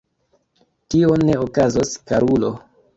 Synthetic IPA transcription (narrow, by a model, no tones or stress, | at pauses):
tio̞ne̞okazoskaɾulo̞